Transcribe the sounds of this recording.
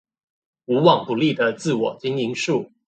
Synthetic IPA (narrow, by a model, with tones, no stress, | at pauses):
u˧˥wɑ˨˩ŋpu˨˩li˥˩d̪ə˩t͡sɹ̩˥˩wɔ˨˩t͡ɕi˥ŋi˧˥ŋʂu˥˩